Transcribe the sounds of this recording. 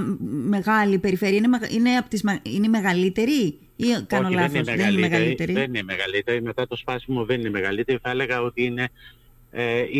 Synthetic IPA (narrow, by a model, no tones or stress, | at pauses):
me̞ɣɐlipe̞ɾife̞ɾiɐineeine̞ɐpot̪izmeineme̞ɣɐlit̪e̞ɾi | ikɐnolɐθðenemeɣɐɾit̪e̞ɾieninemeɣɐlit̪e̞ɾime̞t̪ɐt̪o̞spɐsimoðe̞nineme̞ɣɐlit̪e̞ɾiθɐe̞le̞ɣɐo̞t̪iine̞ | e